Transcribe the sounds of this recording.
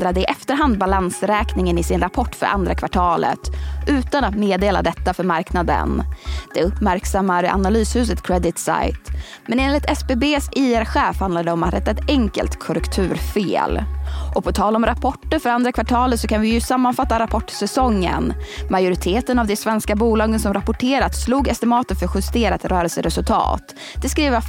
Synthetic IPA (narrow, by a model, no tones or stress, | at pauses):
d̪ɾad̪əɪʔɛft̪əɾɦand̪̚balansɾɛːknɪŋənɪsɪnɾapʰɔʈːfœ̰ɾʔa̰nd̪ɾakʰvaʈʰɑːlə̰t̪ʔʉ̟ːt̪anat̪meːd̪eːla̰d̪ɛt̪ːafœɾmaɾknad̪ə̰nd̪̥ɛɵpːmæɾksamːaɾa̰nalyːshʉ̟ːs̬ət̪kʰɾɛd̪ɪt̪sa̰jt̪ | mɛneːnlɪt̪ɛspeːbeːsɪæɾɧɛːfhand̪aɖ̪ɛɔmat̪ɾɛt̪ːaɛt̪ɛŋkə̰lt̪kʰɔɾɛkt̪ʰʉ̟ːɾfḛːlʔɔpʰɔt̪ʰɑːlɔmɾapʰɔʈːəɾfœɾand̪ɾakvaʈʰɑːlət̪sɔkʰanvɪjɵsamːanfat̪ːaɾapʰɔʈːsɛsɔŋːə̰nmajʊɾɪt̪ʰeːt̪ənavd̪ɛsvɛnskabuːlɑːɡənsɔmɾapʊʈʰeːɾat̪sluːɡɛst̪ɛmɑːt̪ənfœɾɧɵst̪eːɾat̪ɾœːɾəlsəɾɛsɵlt̪ʰɑ̰ːt̪ | d̪̥ɛskɾiːvə